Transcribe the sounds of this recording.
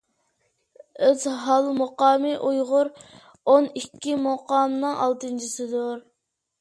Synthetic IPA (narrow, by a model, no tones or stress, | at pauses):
øzɦɑlˠmoqɑːmɨʔujʁʊɾ | onikʲːimoqɑːmnɨŋɑ̰lˠt̪ɨnt͡ʃʰisɨd̪ʊɾ